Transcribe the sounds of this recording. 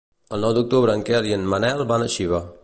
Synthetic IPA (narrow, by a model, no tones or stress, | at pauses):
əlˠnɔwd̪uk̚t̪uβɾəːŋkɛliənmənɛlˠbanəʃiβa